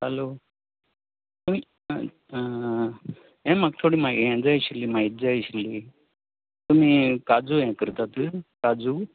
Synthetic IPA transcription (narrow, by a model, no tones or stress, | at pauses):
hɐloː | t̪umi | ẽmɐk̚ʈʰoɽimaɡɛ̃d͡zaiɕilimaid͡zaiɕili | t̪um̤ikad͡zujɛ̃kəɾt̪at̪ɨkad͡zu